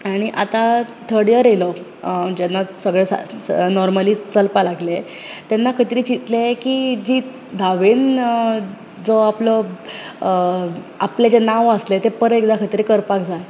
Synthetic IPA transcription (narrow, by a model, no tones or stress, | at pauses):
aɽ̃iʔat̪at̪ʰəɾɽjəɾelɔ | d͡ʑɛnːasəɡɭesa̰nɔɾməliːt͡səlpalaɡle | t̪enːakʰət̪iɾit͡ɕit̪lekid͡ʑiː | d̪ʱaʋen | d͡zɔaplɔ | apled͡ʑenaʋəslet̪epəɾekd̪akʰət̪iɾikəɾpakd͡za